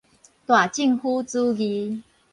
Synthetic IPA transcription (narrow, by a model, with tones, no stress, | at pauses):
t̪wa˨˩t͡ɕi˥˨ŋhu˦t͡su˦ɡi˧